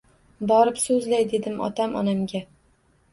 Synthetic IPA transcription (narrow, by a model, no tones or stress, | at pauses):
bɒɾɪpsɵzlajd̪e̞d̪ɪmʔɒ̰t̪ʰamʔɒ̰namɡʲa